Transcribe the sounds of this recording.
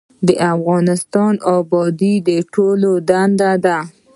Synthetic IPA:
d̪əʔafɣɑnɪst̪ɑnɑbɑd̪id̪əʈʰolod̪and̪ad̪a

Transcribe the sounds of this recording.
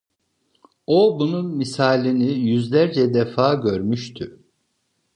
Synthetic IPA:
obununmisaːlʲinijyzlʲæɾd͡ʒɛd̪efaːɟø̞ɾmyʃt̪ʰy

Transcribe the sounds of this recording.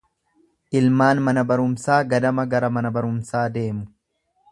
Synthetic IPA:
ʔɪlmaːnmɐnɐbɐɾʊmsaːɡɐd̪ɐmɐɡɐɾɐmɐnɐbɐɾʊmsaːd̪e̞ːmʊ

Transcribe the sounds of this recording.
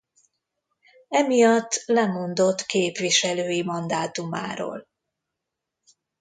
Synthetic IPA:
ɛmijɒt̪ːlɛmo̞nd̪o̞t̪ːkeːpʋiʃɛløːjimɒnd̪aːt̪uma̰ːɾo̰ːl

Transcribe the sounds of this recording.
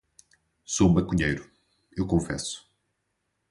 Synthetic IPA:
soũbɐkuɲejɾʊ | ewkõfɛ̰su̥

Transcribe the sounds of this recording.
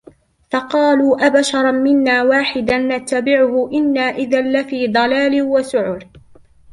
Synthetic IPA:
fɑqɑːluːʔabaʃɑɾˤɑmɪnːaːwaːħɪd̪anːat̪ːabɪʕʊhʊʔɪnːaːʔɪðalːafiːd̪ˤɑlaːlɪwasʊʕʊɾ

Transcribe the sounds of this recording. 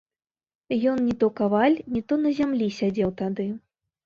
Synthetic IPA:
jɔnnʲit̪ɔkavalʲnʲit̪ɔnɐzʲamlʲisʲad͡zʲɛwt̪ad̪ɨ

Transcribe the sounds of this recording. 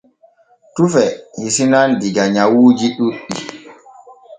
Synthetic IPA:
tufɛhisinandiɡaɲawuːd͡ʒiɗuɗːi

